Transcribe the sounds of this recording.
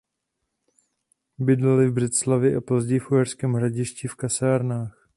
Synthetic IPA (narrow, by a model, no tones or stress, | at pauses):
bɪdlɛlɪvbr̝ɛt̪slavjɛʔapo̞zɟɛjɪfʔuɦɛrskɛːmɦɾaɟɪʃcɪfkasaːɾnaːx